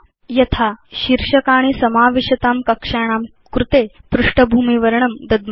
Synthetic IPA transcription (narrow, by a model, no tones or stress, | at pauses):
jɐt̪ʰaɕiɾʂɐkaːɽ̃isɐmaːʋiɕɐt̪aːmkɐkʂaːɽ̃aːm | kɾut̪eːpɾuʂʈɐbʱuːmiʋɐɾɳɐmd̪ɐd̪m